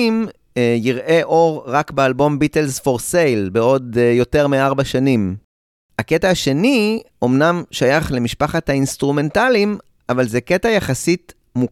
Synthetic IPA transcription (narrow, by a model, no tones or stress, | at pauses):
m | jiʁʔe̞ʔo̞ʁʁakbealbo̞mbitelzfo̞ʁse̞jlbeo̞djo̞te̞ʁmiaʁbaʃanim | haketaːʃe̞niʔo̞mnamʃajaχle̞miʃpaχathainst̪ʁume̞ntalim | ʔavalzeketajaχasit | mu